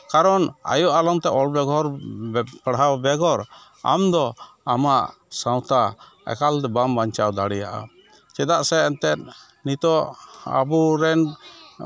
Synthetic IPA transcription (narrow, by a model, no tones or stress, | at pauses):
kaɾɔna̰jɔʔalɔŋt̪ɛʔɔlbɛɡɔɾpəɽawbɛɡɔɾ | a̰md̪ɔ | amaʔ | sãw̃t̪a | ɛ̰kald̪ɛbambaɲt͡ʃawd̪aɽɛjaʔa̰ | t͡ʃɛd̪aʔsɛːnt̪ɛt̪̚ | nit̪ɔʔa̰buɾɛn